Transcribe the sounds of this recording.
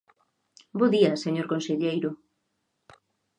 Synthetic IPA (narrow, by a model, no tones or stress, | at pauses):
boðiɐseɲoɾkõnseʎejɾʊ